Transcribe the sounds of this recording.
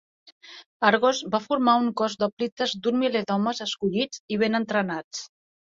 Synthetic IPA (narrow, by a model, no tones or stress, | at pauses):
aɾɣozbafuɾmauŋkɔzd̪ɔplit̪əzd̪unmiled̪ɔməzəskuʎid͡ziβ̞enənt̪ɾənat͡s